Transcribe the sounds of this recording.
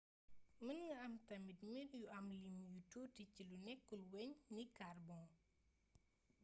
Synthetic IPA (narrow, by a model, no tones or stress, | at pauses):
mənŋɐɐmtɐmitmiɾjuɐmlimjututicilunɛkːulweɲnikarbɔŋ